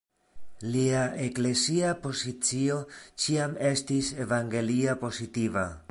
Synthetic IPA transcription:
liaekle̞siapo̞sit͡sio̞t͡ʃiame̞stise̞vaŋɡe̞liapo̞sitiva

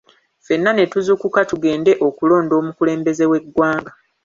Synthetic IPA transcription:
fe̞nːane̞tuzukukatuɡe̞ːnde̞ʔo̞kulo̞ːndo̞ːmukule̞ːmbe̞ze̞we̞ɡwaːŋɡa

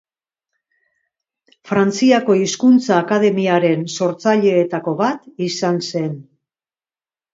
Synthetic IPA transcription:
fɾant͡siako̞iskunt͡saːkaðe̞miaɾe̞nso̞ɾt͡saʎe̞ːt̪ako̞βat̪isanse̞n

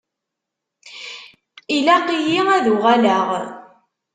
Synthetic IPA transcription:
ilæqijiæðuʊʁalaʁ

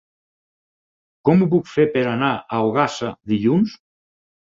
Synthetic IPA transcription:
kɔmupukfeɾpeɾanaawɣasaðiʎuns

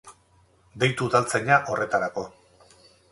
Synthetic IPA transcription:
d̪e̞jt̪uðalt͡seɲaʔo̞re̞t̪aɾako̞

